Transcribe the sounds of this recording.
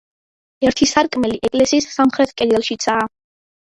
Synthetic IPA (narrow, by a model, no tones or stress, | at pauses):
ɛɾt̪ʰisaɾkʼmɛliʔɛkʼlɛsiːsːamχɾɛt̪ʰkʼɛd̪ɛlˠʃit̪sʰaː